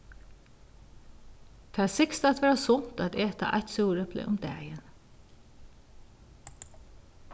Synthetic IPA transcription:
t̪ʰæːsɪkst̪æt̪ʋæːɾɑsʊnt̪æt̪eːt̪ɑ̰ʔæ̰ɪt̪suːɾəb̥lḛːʔʊmd̪æ̰ːjən

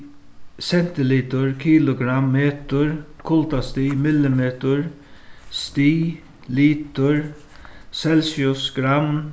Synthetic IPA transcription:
sɛn̥t̪ɪliːt̪ʊɹkʰiːlʊɡɾamːeːt̪ʊɹkʰʊlt̪ast̪iːmɪlːɪmeːt̪ʊɹ | st̪iː | liːt̪ʊɹ | sɛlsjʊsɡ̥ɾam

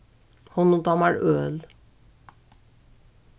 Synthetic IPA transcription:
hɔnot̪ɑmæɾøːl

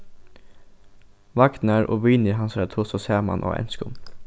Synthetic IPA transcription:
ʋɑkt̪n̩æːɹʔo̰ːʋyːniɦɑnsæːt̪ʰʊsoseːmɑ̰nʔo̰ːʔɛ̰nskʊm

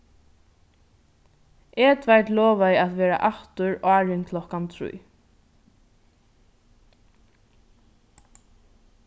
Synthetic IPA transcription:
ʔɛːt̪ʰvajt̪lɔːvaɪat̪ʋɛːɾa̰ʔaht̪ʊɹaːɹɪnkʰlɔhkamt̪ʰɾṵj

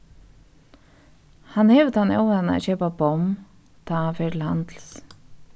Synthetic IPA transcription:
hanhɛːvət̪ʰanɔ̰wanaɛ̰ʃɛːpabɔm | t̪ʰafɛɾland̪l̩s

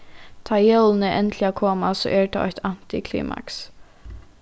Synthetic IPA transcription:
t̪ʰajœwlnɪʔɛnt̪lɪakʰɔːmasɔ̰ːʔɛɹt̪ʰaɔ̰ht̪an̥t̪ɪkʰlḭːmʔa̰ks

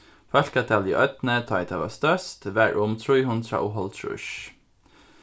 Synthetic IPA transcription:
fœɬkɑt̪ʰɛliːʔœt̪nət̪ʰɑɪt̪ʰɑʋɑ̰st̪œst̪ʋæɹʔʊmt̪ʰɹuɪhʊnt̪ʰɾɑ̰ːʔʊɦɔlt̪ʰɹʉ̰ʃ

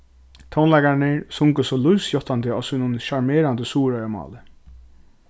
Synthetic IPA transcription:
t̪ʰownlajkanɪsʊŋkəsɔlujsjɔht̪ant̪ɪɔːsuːnʊnʃaɹmeːɾand̪əsuːɾaɾmɑ̰ːlɪ

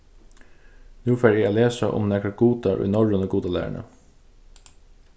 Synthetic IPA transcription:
nʉːfæːɾjæɪoːleːsəʔʊ̰mnɛkəɡuːt̪ɑɾʔʉ̰nɔɹənəɡuːt̪ɑlæ̰ːɳə̰

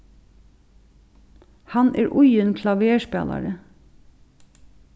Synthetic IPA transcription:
hɑnḛːɹʔʊjənkʰlɑʋeːʃpæ̰ːlɑ̰ɹə

